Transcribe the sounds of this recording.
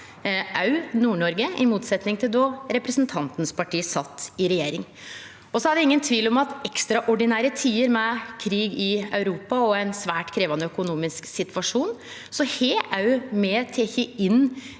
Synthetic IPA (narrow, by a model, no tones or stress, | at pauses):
ʔɑʉnuːɳɔɾɡəɪmuːt̪sɛt̪nɪŋt̪ʰɪld̪ɔɾɛpɾəsnt̪ʰɑnt̪nəspɑʈʰiːsɑt̪ːɪɾɛjeːɾɪŋ | ɔsɔhɑd̪ɛɪŋːənt̪ʰʋiːlɔmɑt̪ɛkst̪ɾɑʔɔɖɪnæːɾət̪ʰiːəɾmɛkʰɾiːɡɪœʉɾuːpɑɔɛɪnsʋæːʈkʰɾeːʋɑnəœkʊnuːmɪsksɪt̪ʰʋɑʂuːn | sɔheːʔɑʉmɛt̪ʰeːçəɪnː